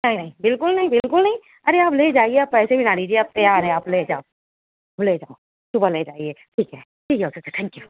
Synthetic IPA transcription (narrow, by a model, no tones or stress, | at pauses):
nɐɦĩnɐɦĩbɪlkʊlnɐɦĩbɪlkʊlnɐɦĩ | ɐɾeaːpleːd͡ʒaːieappːɛːsebʱinaːɽiːd͡ʒieɐːp̚t̪eaɾeaːpled͡ʒaːo | apleːd͡ʒaːo | sʊbəled͡ʒaːieːʈʰiːkɦɛː | ʈʰiːkeoːsɐkt͡ʃat̪ʰɛ̃ːŋkju